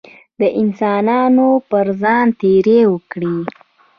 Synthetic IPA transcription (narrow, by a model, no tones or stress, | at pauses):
d̪əʔɪnsɑnɑnopəɾzɑnt̪eɾewəkɽi